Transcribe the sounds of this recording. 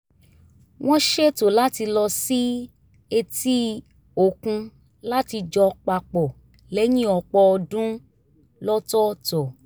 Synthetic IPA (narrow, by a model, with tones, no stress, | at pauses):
w̃ɔ̃˦ʃe˦to˨la˦ti˧lɔ˧si˦ | e˧ti˦ | o˨kũ˧ | la˦ti˧d͡ʒɔ˧k͡pa˧˨k͡pɔ˨ | lɛ˨˦jĩ˦ɔ˧k͡pɔ˧ɔ˧dũ˦ | lɔ˦tɔ˦tɔ˨